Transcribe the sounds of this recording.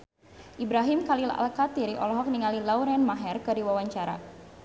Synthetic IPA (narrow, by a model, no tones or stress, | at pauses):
ʔibɾaɦimkalila̰lkat̪iɾiʔɔ̰lɔɦɔk̚niŋalilawɾɛnmaɦɛrkɨrdiwawaɲt͡ʃaɾa̰